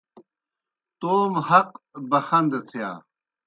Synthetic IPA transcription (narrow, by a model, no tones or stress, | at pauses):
t̪oːmhɐqbɐxɐnd̪et̪ʰija̰ː